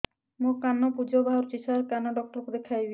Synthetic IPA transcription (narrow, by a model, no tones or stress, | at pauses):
mukanɔpud͡ʒɔbʱaɦɔɾt͡ʃisʰaɾkanɔɖɔk̚ʈɔɾkud̪ekʰajbi